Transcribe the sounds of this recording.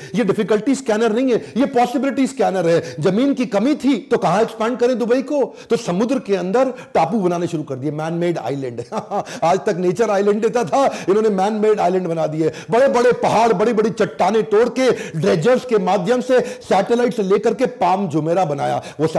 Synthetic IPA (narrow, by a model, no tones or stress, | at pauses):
jeɖɪfɪkəlʈiskɛːnəɾnɐɦĩɦɛjepɔːsɪbɪlɪʈiskɛːnəɾɦɛːd͡ʒɐmiːnkikɐmit̪ʰit̪okɐɦãɛkspɛ̃ːɳɖ̚kɐɾẽd̪ʊbəikot̪osɐmʊd̪ɾəkeɐ̃nd̪əɾ | ʈaːpubɐnaːneʃʊɾukɐɾd̪iɛmɛːnmeːɖa̰ːɪlɛ̃ɳɖaːd͡ʒt̪ɐkneːt͡ʃəɾaːɪlɛ̃ɳɖd̪eːt̪at̪ʰaɪnɦõːnemɛːnmeːɖaːɪlɛ̃ɳɖbɐnaːd̪iɦɛː | bɐɽebɐɽepɐɦaːɽbɐɽebɐɽit͡ʃɐʈːaːneʈoːɽkeɖɾeːd͡ʒəɾskemaːd̪ʱjəmsesɛːʈelaːɪʈseleːkɐɾkepaːmd͡ʒʊmeːɾabɐna̰ːja̰ːʋos